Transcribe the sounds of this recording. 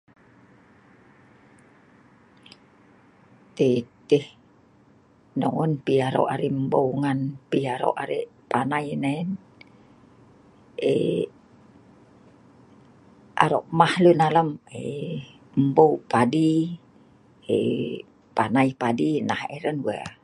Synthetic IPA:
t̪et̪eh | noŋənpiaɾo̰ʔaɾiʔmbowŋanpiaɾo̰ʔaɾḛʔpanajnain | ḛ | ʔa̰ɾoʔmahlunaləme | bowpadi | e | panaipadinaheɾənwa̰

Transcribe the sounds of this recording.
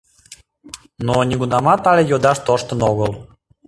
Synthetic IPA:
nonʲeɡunɑmɑt̪ɑlʲejod̪ɑʃt̪oʃt̪ə̆noɣəl

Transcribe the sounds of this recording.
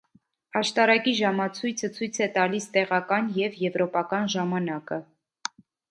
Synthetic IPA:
ɑʃt̪ɑɾɑkiʒɑmɑt͡sʰujt͡sʰət͡sʰujt͡sʰɛt̪ɑlist̪ɛʁɑkɑnjɛvjɛvɾɔpɑkɑnʒɑmɑnɑkə

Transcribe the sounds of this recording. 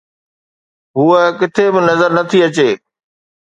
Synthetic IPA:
ɦuːəkɪt̪ʰebɪnɐzəɾnɐt̪ʰiɐt͡ɕeː

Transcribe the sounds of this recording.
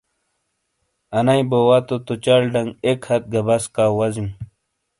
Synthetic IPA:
ɐnajbowat̪ot̪ot͡ɕalɖɐŋɡekʰhɐt̪̚ɡɐbɐskawɐzim

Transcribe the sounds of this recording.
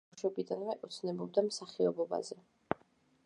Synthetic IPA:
ʃwɛbid̪anvɛʔut̪sʰnɛbɔb̚d̪amsaχiɔbɔba̰zɛ

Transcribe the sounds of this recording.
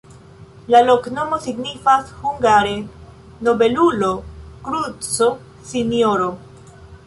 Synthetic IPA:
lalo̞kno̞mo̞siɡnifashuŋɡaɾe̞ | no̞be̞lulo̞kɾut͡so | sinjoɾo̞

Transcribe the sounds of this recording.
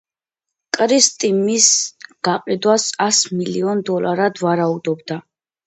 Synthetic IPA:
kʼɾist̪ʼimisɡ̥aqʼid̪wasasmiliɔnd̪ɔlaɾad̪vaɾaud̪ɔbd̪a

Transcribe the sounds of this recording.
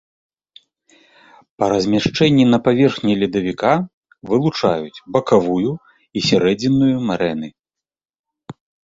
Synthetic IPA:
pɐɾɐzʲmʲaʂt͡ʂɛnʲːinɐpavʲɛrxnʲɛlʲid̪ɐvʲika | vɨlˠut͡ʂajut͡sʲbɐkavuju | isʲaɾɛd͡zʲinːujumaɾɛnɨ

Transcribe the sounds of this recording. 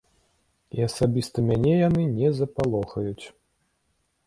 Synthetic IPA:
iɐsabʲist̪ɐmʲanʲɛjanɨnʲɛzɐpalˠɔxɐjut͡sʲ

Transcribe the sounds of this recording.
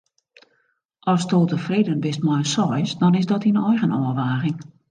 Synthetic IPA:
ʔɔstoːlˠtəfreːdənbɪst̚mɔjəsɔjsdɔnɪsdɔtinɔjɣənɔəʋaːɣɪŋ

